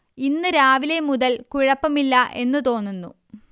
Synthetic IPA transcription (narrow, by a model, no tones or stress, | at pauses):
inːɨɾaːʋilemuðɐlkuɻɐpːɐmilːɐʔe̞nːɨt̪o̞ːnːunːṵ